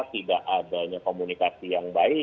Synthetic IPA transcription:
t̪idaʔadaɲakomunikasijaŋbaɪ

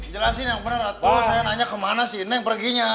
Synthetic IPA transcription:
d͡ʒəlasinjaŋbənərat̪usajanaɲakːəmanasiːnɛŋpərɡiɲa

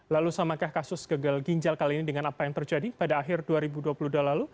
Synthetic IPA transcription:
lalusamakahkasʊsɡ̥aɡalɡiɲd͡ʒalkaliːnidəŋanapajaŋt̪ərd͡ʒadipadaːɦɪrduaɾibuduapuludualalu

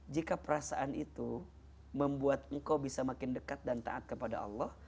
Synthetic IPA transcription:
d͡ʒikapəɾasaʔanit̪u | məmbuat̪̚ŋ̩kawbisamakɪndəkat̪̚dant̪a̰ʔat̪̚kəpada̰ɑ̰lːɔh

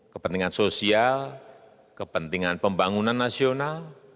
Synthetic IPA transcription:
kəpənt̪iŋansosial | kəpənt̪iŋanpəmbaŋunanːasional

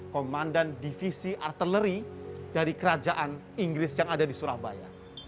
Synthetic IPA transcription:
komandandifisiʔart̪ələɾidaɾikəɾad͡ʒaʔan | iŋɡɾɪsjaŋadadisuɾahbaja̰

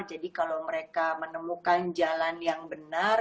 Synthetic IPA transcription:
d͡ʒadikalawməɾekamənəmukand͡ʒalanjaŋbənar

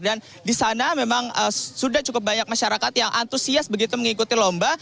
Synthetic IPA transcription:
dan | disanamemaŋəsudaht͡ʃukʊp̚baɲak̚maʃaɾakat̪jaŋʔant̪usiasbəɡit̪uməŋikut̪ilomba

